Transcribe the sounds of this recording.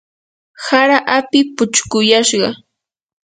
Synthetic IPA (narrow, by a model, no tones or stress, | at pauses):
haɾaʔapɪpʊt͡ʃkʊjaʃɢɑ